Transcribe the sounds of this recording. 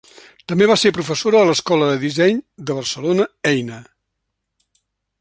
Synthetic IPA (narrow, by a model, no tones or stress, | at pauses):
t̪əmbeβaseɾpɾufəsoɾəələskɔləðəðizɛɲd̪əβ̞ərsəlonəɛjnə